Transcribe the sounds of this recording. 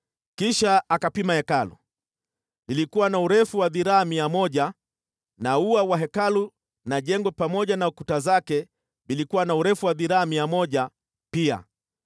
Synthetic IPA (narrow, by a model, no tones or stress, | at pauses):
kiʃaakapimahɛkalṵ | ilikuwanauɾɛfuwaðiɾaamiamɔʄa | nauawaɦɛkalu | naʄɛŋɡwɛpamɔʄanaukutazakɛ | vilikuwanauɾɛfuwaðiɾaamiamɔʄa | pia̰